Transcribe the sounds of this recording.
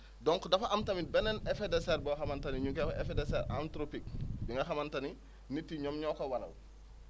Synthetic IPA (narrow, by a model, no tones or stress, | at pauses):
dɔŋkodɐfaʔamtɐmibɛnɛnefedeseɾboxamantɐniɲuŋkekoʔefedeseɾantɾopik̚biŋɡaxamantani | nitːiɲɔmɲɔːkowalɐ̰w